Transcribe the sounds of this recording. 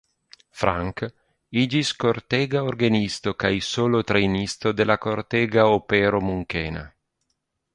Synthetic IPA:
fɾʔa̰ŋk | id͡ʒiskoɾt̪ɛːɡaoɾɡanist̪okajsoːlot̪ɾejnist̪od̪elakoɾt̪ɛɡaopɛːɾomuŋkeːna̰

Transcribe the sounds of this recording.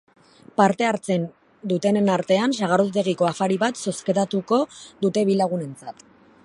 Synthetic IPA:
paɾt̪e̞aɾt͡se̞n | d̪ut̪e̞nenaɾt̪e̞ansaɣ̞aɾot̪eɣiko̞afaɾiβat̪so̞ske̞ðat̪uko̞ðut̪e̞βilaɣune̞nt͡sat̪

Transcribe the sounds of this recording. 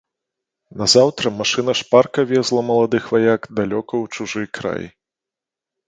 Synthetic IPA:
nɐzawt̪ɾɐmaʂɨnɐʂparkɐvʲɛzlˠɐmɐlˠad̪ɨxvajakd̪alʲɔkɐwt͡ʂuʐɨjkɾa̰j

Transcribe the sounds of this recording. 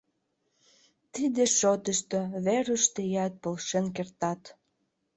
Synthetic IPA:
t̪id̪eʃot̪əʃt̪oβeɾəʃt̪ejɑt̪̚polʃenkert̪ɑt̪

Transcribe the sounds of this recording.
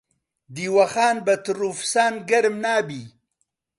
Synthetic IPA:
d̪iwaxaːnbat̪ɾufsaːnɡaɾmnaːbi

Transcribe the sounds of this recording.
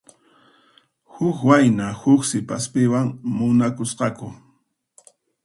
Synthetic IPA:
hʊkwajnahʊksɪpaspɪwaŋmʊnakʊsqɑkʊ

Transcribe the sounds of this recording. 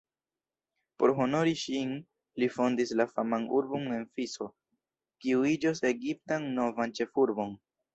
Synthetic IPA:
po̞ɾɦo̞no̞ɾiʃin | lifo̞ndislafamanuɾbo̞ne̞nfiso̞ | kiuid͡ʒose̞ɡip̚tanno̞vant͡ʃe̞fuɾbo̞n

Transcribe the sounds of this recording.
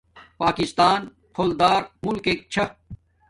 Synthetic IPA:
paːkist̪aːn | pʰoːld̪aːɾmulkeːk̚t͡ɕʰɐ

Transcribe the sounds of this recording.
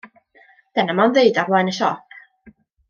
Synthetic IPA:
d̥ɛnamɔnðeɨdarlˠanəʃɔpʰ

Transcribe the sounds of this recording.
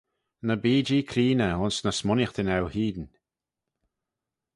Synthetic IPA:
nəbiːd͡ʒiːkʰɾiːnəʊnsnəsmɔnjəxd̪ɪnɛwhiːd̪n

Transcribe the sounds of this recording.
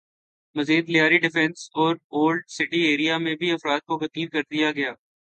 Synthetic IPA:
mɐziːd̪lɪjaːɾiɖɪfɛ̃nsɔːɾoːlɖsɪʈieːɾijamẽbʱiɐfɾaːd̪̚kokɐt̪iːɾkɐɾd̪ijaɡɐjaː

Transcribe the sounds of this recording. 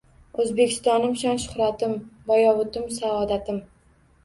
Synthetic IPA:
ɵzbe̞kʲʰɪ̥st̪ɒnɪmʃɒnʃʊ̥χɾat̪ɪmbajɒwʊt̪ɪmsaɒd̪at̪ʰɪm

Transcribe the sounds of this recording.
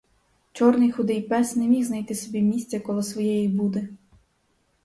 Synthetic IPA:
t͡ʃɔrnɪjxʊd̪ɪjpɛsnɛmʲixznɐjt̪ɪsɔbʲimʲisʲt̪t͡sʲɐkɔlˠɔsʋɔjɛjibud̪ɛ

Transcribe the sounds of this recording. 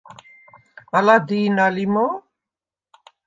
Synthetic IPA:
alad̪inalimo

